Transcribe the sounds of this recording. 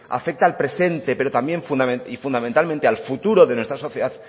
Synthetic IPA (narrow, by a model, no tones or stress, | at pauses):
a̰fe̞k̚t̪alpɾe̞se̞nt̪e̞pe̞ɾo̞t̪ambje̞ɱfund̪ameifund̪ament̪alment̪e̞alfut̪uɾo̞ðe̞nwest̪ɾaso̞θjeðað